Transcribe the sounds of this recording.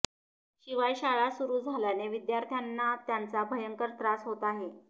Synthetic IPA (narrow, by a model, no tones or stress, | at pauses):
ɕiʋajɕaɭasuɾuːd͡zʱaljaneʋid̪jaɾt̪ʰjanːat̪jant͡sabʱəjəŋkəɾt̪ɾasɦot̪aɦe